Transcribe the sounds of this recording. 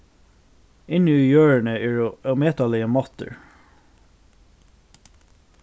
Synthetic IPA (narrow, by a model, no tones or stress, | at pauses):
ɪnəiːjøːɹəɳəeːɹmeːt̪ɑlɪəmɑt̪ə̰ɹ